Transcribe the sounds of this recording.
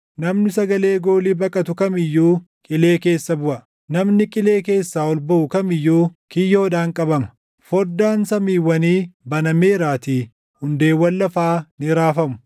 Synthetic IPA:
nɐmnɪsɐɡɐle̞ːɡo̞ːliːbɐkʼɐt̪ʊkɐmɪjːuː | kʼɪle̞ːke̞ːsːɐbʊʔɐ | nɐmnɪkʼɪle̞ːke̞ːsːaːɔlbɐʔʊkɐmɪjːuːkɪjːoːd̪aːŋkʼɐbɐmɐ̥ | fɔd̪ːaːnsɐmiːwːɐniːbɐnɐmeːɾaːt̪iː | hʊnd̪e̞ːwːɐlːɐfaːnɪɾaːfɐmʊ̥

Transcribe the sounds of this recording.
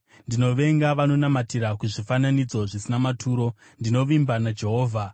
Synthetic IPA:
ndino̞ʋe̞ŋɡaʋano̞namatiɾakuʐifananid͡zo̞ʐisinamatʰuːɾo̞ | ndino̞ʋimbanad͡ʒe̞ɦo̞ːvʱa

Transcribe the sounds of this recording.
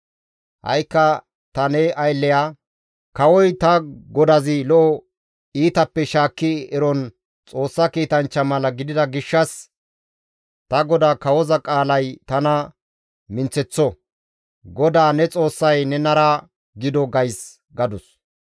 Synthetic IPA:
hɐ̰jkːɐ | t̪ɐnɛʔɐjlːɛjaː | kɐwɔjt̪ɐɡɔd̪ɐzɪlɔʔɔ | iːt̪ɐpːɛʃaːkːɪɛɾɔn | t͡sʼo̞ːsːɐkiːt̪ɐnt͡ʃːɐmɐlɐɡɪd̪ɪd̪ɐɡɪʃːɐs | t̪ɐɡɔd̪aːkɐwɔzɐkʼaːlɐjt̪ɐnɐ | mɪnt͡sɛt͡sːɔ | ɡɔd̪aːnɛt͡sʼo̞ːsːɐjnɛnɐɾa | ɡɪd̪ɔɡɐjs | ɡɐd̪ʊs

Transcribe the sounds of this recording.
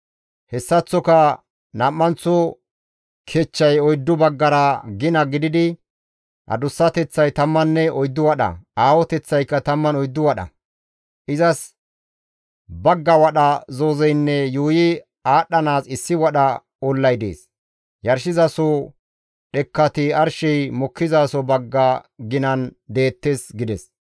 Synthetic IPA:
hɛsːɐt͡sːɔkɐ | nɐmːɐnt͡sːɔ | kʰet͡ʃːɐjɔjd̪ːʊbɐɡːɐɾɐɡɪnɐɡɪd̪ɪd̪ɪ | ʔɐ̰d̪ʊsːɐt̪ɛt͡sːɐjt̪ɐmːɐnːɛɔjd̪ːʊwɐɗɐ̰aːwɔt̪ɛt͡sːɐjkːɐt̪ɐmːɐnɔjd̪ːʊwɐɗɐ̰ | ʔɪzɐs | bɐɡːɐwɐɗɐzoːzɛjnːɛjuːjɪ | aːɗːɐnaːsɪsːɪwɐɗɐ | ɔlːɐjd̪ḛːs | jɐɾʃɪzɐsɔ | ɗɛkːɐt̪ɪɐɾʃɛjmɔkʰːɪzasɔbɐɡːɐɡɪnɐnd̪e̞ːt̪ːesɡɪd̪ɛs

